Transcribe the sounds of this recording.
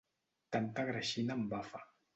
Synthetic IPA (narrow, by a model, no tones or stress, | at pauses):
tant̪akɾaʃinambafa